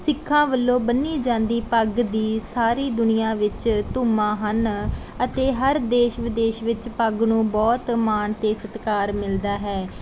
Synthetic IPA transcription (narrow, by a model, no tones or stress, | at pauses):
sɪkʰːãːʋəlːõːbənːiːd͡ʒãːnd̪iːpəɡd̪iːsaːɾiːd̪ʊnɪjãːʋɪt͡ʃt̪ʊːmãːɦən | ət̪eːɦəɾd̪eːʃʋɪd̪eːʃʋɪt͡ʃpəɡnũːbɔːt̪maːɳt̪eːsət̪kaːɾmɪld̪aːɦɛː